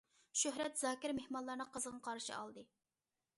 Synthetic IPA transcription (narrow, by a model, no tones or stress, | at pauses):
ʃøɦɾɛt̪zɑːkʲɪɾmehmɑnlˠɑɾnɨqʰəzəʁɑqʰɑɾʃɨ̰ɑ̰lˠd̪ɨ